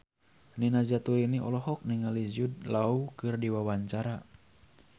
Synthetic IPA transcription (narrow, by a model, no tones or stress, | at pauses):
ninazat̪uiniɔlɔɦɔk̚niŋalizud̚laukɨrdiwawaɲt͡ʃaɾa